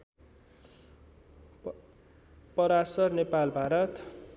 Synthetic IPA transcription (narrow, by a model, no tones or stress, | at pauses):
pʌɾasʌrnepalbʱaɾʌt̪